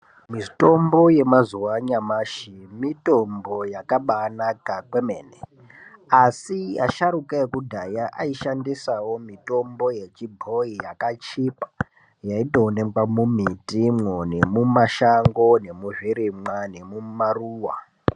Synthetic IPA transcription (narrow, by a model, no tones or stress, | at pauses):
mito̞mbo̞je̞mazuwaɲamaːʃimito̞mbo̞jakaɓaːnakakwe̞meːne | asia̰ʃaɾukaekudʱajaʔaiʃandisawo̞mito̞mbo̞je̞t͡ʃibʱo̞ijakat͡ʃipḁ | jaito̞ːne̞ɡwamumitimwone̞mumaʃaŋɡo̞ne̞muʐiɾimwane̞mumaruːwa̰